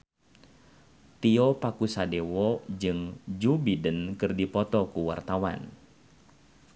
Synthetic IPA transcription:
t̪iɔpakusadewɔd͡ʒɨŋd͡ʒubidənkɨrdipɔt̪ɔkuwa̰rt̪awa̰n

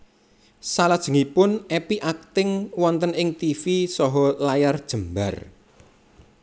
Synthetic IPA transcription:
salad̥ʒ̥ə̤ŋipʊnɛpiʔak̚t̪ɪŋwɔnt̪ənɪŋt̪ifisɔɦɔlajard̥ʒ̥ə̤mba̰r

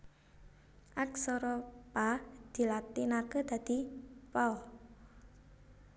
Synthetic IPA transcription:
ʔaksɔɾɔpad̪̥i̤lat̪inakəd̪̥ä̤d̪̥ipaɔ

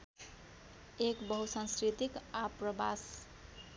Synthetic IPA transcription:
ekbʌɦusãnskɾit̪ikaprʌbas

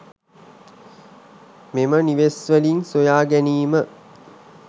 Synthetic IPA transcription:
meməniʋesʋəlinsojaːɡæniːmə

